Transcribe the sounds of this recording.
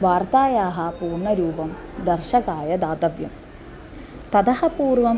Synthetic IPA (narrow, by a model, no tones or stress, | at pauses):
ʋaːɾt̪aːjaːɦɐpuːrɳɐɾuːbɐmd̪ɐrʃɐɡaːjɐd̪aːd̪ɐʋjɐ̰m | t̪ɐd̪ɐhɐpuːrʋɐm